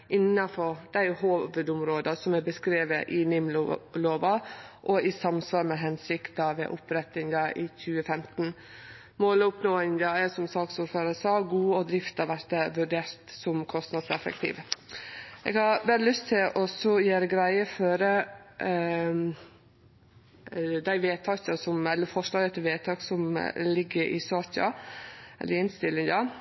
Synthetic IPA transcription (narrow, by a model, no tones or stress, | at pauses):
ʔɪnːɑfɔɾd̪̥æɪhoːʋəd̪ʊmɾoːd̪ɑsɔmæbəskɾeːʋəʔɪnɪmloːʋɑʔɔɪsɑmsʋɑːɾmɛɦɛnsɪkt̪ɑʋɛ̰ʔʊpɾɛt̪ɪŋd̪ɑʔɪçʉːəfɛmt̪n̩ | moːlʊpnoːɪŋd̪ɑæsɔmsɑːksʊɾføːɾəsɑːɡuːɔd̪ɾɪft̪ɑʋæɾt̪əʋʉɖeːɾt̪sɔmkʰɔst̪nɑd̪sɛfɛ̰k̚t̪ʰḭːʋ | ʔɛ̰ːɡhɑɾʋɛllʏst̪ʰɪlʔɔsɔjeːɾəɡɾæɪəføːɾə | d̪æɪʋeːt̪ʰɑçɑsɔmɛlːəɾfɔʂlɑːɡət̪ʰːɛʋeːt̪ʰɑːksɔmlɪɡːəɾʔɪ̰sɑːçɑ̰ʔɛ̰lːəɾɪnst̪ɪlːɪŋd̪ɑ